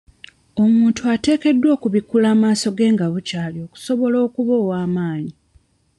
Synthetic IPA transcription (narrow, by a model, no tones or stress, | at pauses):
o̞muːntuate̞ːke̞dːwo̞ːkuβikulaːmaːso̞ɡe̞ːŋɡaβucaːlio̞ku̥so̞βo̞lo̞ːkuβo̞ːwaːmaːɲi